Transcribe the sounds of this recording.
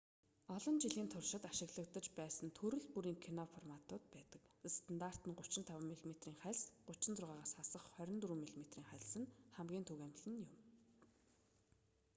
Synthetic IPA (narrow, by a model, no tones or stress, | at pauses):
ɔɮɞ̆nt͡ɕiɮiːnt̪ʰʊrʃɪ̆t̪aʃɪ̆ɣɮə̆kt̪ə̆t͡ɕpæːsə̆nt̪ʰɵɾɵ̆ɮpuɾiːŋkʰinɔfɔrmat̪ʊːt̪pæːt̪ə̆kst̪ʰə̆nt̪aːr̥t̪ə̆nɢʊ̥t͡ɕɪ̆nt̪ʰawaːmiɮmet̪riːŋχæɮsɢʊt͡ɕɪ̆nt͡sʊrʁaːʁaːsχasə̆χχœɾʲɪ̆nt̪uɾuːmiɮmet̪riːŋχæɮsɘ̆nχæmɡʲiːnt̪ʰuɣæmɮɘ̆njʊm